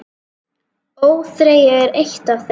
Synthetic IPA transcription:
oːwθɾeːjaɛɾejht̪avθ

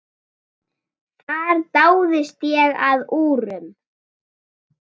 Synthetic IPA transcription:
θʰaɾt̪aːwðɪst̪jɛɣaðuːɾʏm

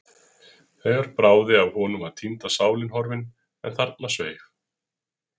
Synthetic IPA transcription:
θejɣvaɾpɾaːwðɪavhɔːnʏmaðt̪ʰint̪asaːwlɪnhɔɾvɪn | ɛ̰nθaɾt̪nasvḛːjx

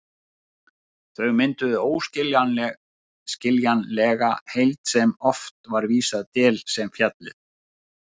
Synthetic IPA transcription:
θœɥɣmɪnt̪ʏðʏoːwscɪl | scɪljanlɛɣa̰hejlt̪sɛmɔft̪vaɾviːsaðt̪ɛːlsɛmfjat̪lɪ̰

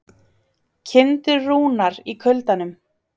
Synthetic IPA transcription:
cʰɪnt̪ʏruːnaɾikʰœlt̪anʏm

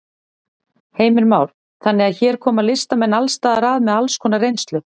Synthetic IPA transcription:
heːjmɪɾmaːwl̥ | θanːɪaðçɛːɾ̥kʰɔːmaðlɪst̪amɛnːalst̪aːðaɾaːðmɛðalskʰɔːnarejnst̪lʏ

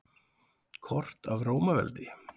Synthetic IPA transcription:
kʰɔr̥t̪avroːwmavɛ̰lt̪ɪ

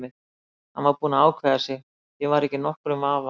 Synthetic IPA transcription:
ɪð | hanvawɾpuːnaaːwkʰvɛːðasjɛɣ | jɛvaɾɛhcɪnɔhkɾʏmaːva

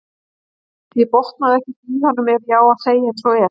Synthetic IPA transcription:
θiðpɔht̪̚naðɛhcɪtihanːʏmɛɾjaːwaðseːjaɛnsɔɛɾ

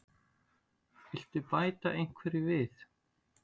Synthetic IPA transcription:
ɪl̥t̪ʏpaːjt̪aʔejŋ̥kʰvɛɾɪvɪθ

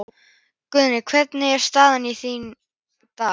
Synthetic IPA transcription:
kʏðnɪkʰvɛt̪nɪɛɾ̥st̪aːðaniθin | t̪a

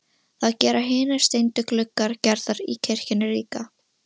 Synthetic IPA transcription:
θaðcɛːɾaɦɪːnɪ̥st̪ejnt̪ʏklʏkːaɾcɛɾðaɾicʰɛr̥cɪnɪriːka

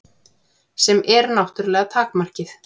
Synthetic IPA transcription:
sɛmɛɾnawht̪ʏɾlɛːɣat̪ʰaːkmar̥cɪθ

